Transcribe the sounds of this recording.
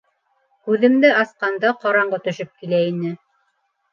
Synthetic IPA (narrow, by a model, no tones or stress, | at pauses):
kʉðɘ̆md̪ɘʔɑsqɑnd̪ɑqɑɾɑɴɢɤt̪ɵ̆ʃɘp̚kilæinɘ